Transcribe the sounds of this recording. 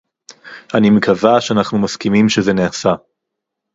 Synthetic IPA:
ʔanimekʰavaʃeanaχnumaskimimʃezeneasa

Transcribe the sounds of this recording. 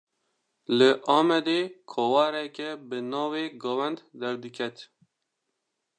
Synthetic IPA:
lɨʔɑːmɛd̪eːkʰowɑːɾɛkɛbɨnɑːweːɡɑwɛnd̪d̪ɛɾd̪ɨkʰɛt̪

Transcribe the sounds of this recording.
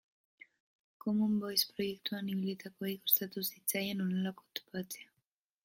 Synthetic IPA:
komumbo̞jspɾo̞je̞kt̪uaniβilit̪ako̞ikost̪at̪usit͡sajenonelako̞t̪o̥pat͡sea

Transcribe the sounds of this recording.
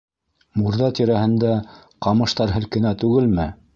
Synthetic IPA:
muɾðɑt̪iɾæhɘ̆nd̪æ | qɑmɤ̆ʃt̪ɑɾɦɘ̆lkɘ̆næt̪ʉɡɘlmɘ

